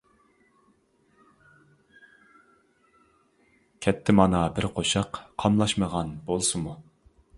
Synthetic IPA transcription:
kʲʰɛt̪ʰːɪmɑnɑbɪɾqʰoʃɑqːʰɑmlˠɑʃməʁɑnbolˠsɨmu

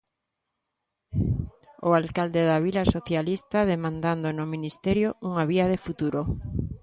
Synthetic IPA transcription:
oalkald̪eðaβ̞ilasoθjalist̪aðemãnd̪and̪onominist̪ɛɾjouŋaβiað̞efut̪uɾo

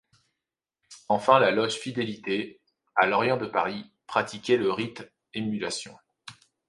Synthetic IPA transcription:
ɑ̃fɛ̃lalɔʒfid̪elit̪e | alɔʁjɑ̃d̪əpaʁipχat̪ikʲɛləʁit̪ | emylasjɔ̰̃

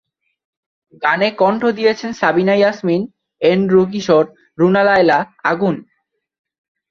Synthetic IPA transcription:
ɡanekɔɳʈʰod̪ijet͡ɕʰensabinajasmin | enɾoɡiʃoɾ | ɾunalaelaaɡun

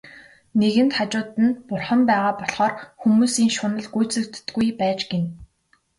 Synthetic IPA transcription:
neɣɘ̆nt̪χat͡ɕʊːt̪ɘ̆npʊrχə̆mpæːʁaːpɔɮχɔːrxumuːsiːŋʃʊnə̆ɮɡujt͡sɮɘ̆k̚t̪ːɡujpæːt͡ɕɡen

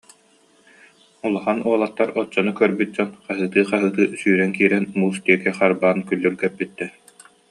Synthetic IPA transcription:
ulˠaχanuɔlˠat̪ːaɾɔt͡ɕːɔnukœɾbyt̪̚d͡ʑɔnqaɦɯːt̪ɯːqaɦɯːt̪ɯːsyːɾɛnkiːɾɛnmuːst̪iɛkɛχaɾbaːnkylːyɾɡɛɾbit̪ːɛ

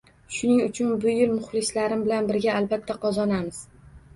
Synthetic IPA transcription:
ʃʊnɪŋʊt͡ʃʰʊnbʊjɪlmʊχlˠɪslaɾɪmbɪlanbɪɾɡʲaːlbat̪ʰːaqʰɒzɒnamɪz̥

